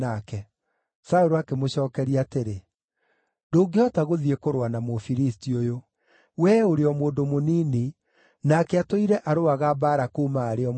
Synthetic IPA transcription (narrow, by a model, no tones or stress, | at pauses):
akɛ | saoɾoakemoɕɔːkɛɾiateɾe | ndoːɡeɔtaɣoðiekoɾwanamofiɾistiojo | wɛoɾeɔmwoːndomonini | nakɛatoiɾɛʔaɾoaɣabaːɾakuːmaːɾeɔ